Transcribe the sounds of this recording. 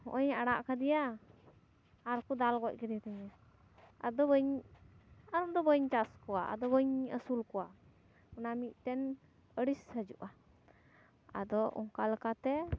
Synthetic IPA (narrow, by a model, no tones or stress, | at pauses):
hɔ̰ʔɔɲaɽaʔkad̪ija | ɾkud̪alɡɔc̚ˀkɛd̪iat̪əɲa | a̰d̪ɔbəɲ | aɾɔmd̪ɔbəɲt͡ʃaskɔwaʔa̰d̪ɔbəɲəsulkɔwa | ɔnamiʔ̚ˀt̪ɛn | əɽisəd͡ʒṵʔa | a̰d̪ɔʔɔ̰ŋkaləkat̪ɛ